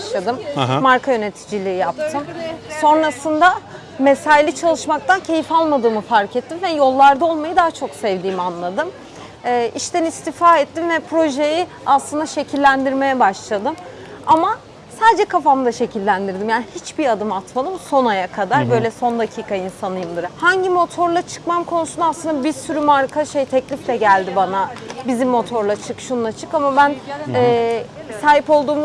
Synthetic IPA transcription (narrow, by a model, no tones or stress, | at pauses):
ʃlˠad̪ɯmːaɾkʰajø̞ne̞t̪ʰi̥d͡ʒilʲiijap̚t̪ʰɯmso̞nɾasɯnd̪a | mesajlʲit͡ʃʰalˠɯʃmakt̪ʰancʰe̞jifalˠmad̪ɯːmɯfaɾcʰɛt̪ʰːimvɛjo̞lˠːaɾd̪ao̞lˠmajɯd̪aɦat͡ʃʰo̞ksɛvd̪iːmanlˠad̪ɯmː | ʔiʃt̪ænist̪ʰifaɛt̪ːimvɛpʰɾo̞ʒe̞ji | aslˠɯnd̪aʃe̞cʰilʲːænd̪iɾme̞jɛbaʃlˠad̪ɯm | ama | saːd͡ʒɛkʰafamd̪aʃe̞cʰilʲːænd̪iɾd̪imjaːnihit͡ʃbiad̪ɯmat̪mad̪ˠɯmso̞najakʰad̪aɾbø̞jlʲɛso̞nd̪acʰiːkʰainsanɯjɯmd̪ˠɯɾahaɲɟimo̞t̪ʰo̞ɾlˠat͡ʃʰɯ̥kmamkʰo̞nusund̪aslˠɯnd̪abiɾsyɾymaɾkʰaʃejt̪ʰɛclʲiflʲɛɟælʲd̪ibanabizimːo̞t̪ʰo̞ɾlˠat͡ʃʰɯkʃunlˠat͡ʃʰɯkamabænɛːsaːɦipo̞lˠd̪uːm